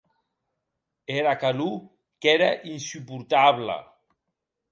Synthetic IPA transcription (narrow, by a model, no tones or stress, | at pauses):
eɾakalu | keɾaʔinsupuɾt̪aβlə̰